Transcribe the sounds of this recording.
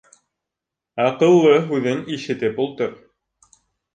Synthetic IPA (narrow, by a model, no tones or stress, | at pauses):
ɑqɤ̆lˠːɤɦʉðɘŋiʃɘ̆t̪ɘp̚ulˠt̪ɤɾ